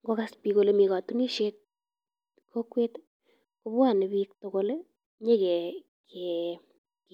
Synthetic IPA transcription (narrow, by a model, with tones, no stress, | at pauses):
ŋɡo˦ka˦spi˨ko˦˨le˦mi˨ka˨tu˦ni˦ʃe˦t̚ | kʰo˦kwe˦t | ko˦bwa˦˨nɪ˨bik̚toko˦le˦ | ɲe˦kɛ˨ | kʰe˨ | k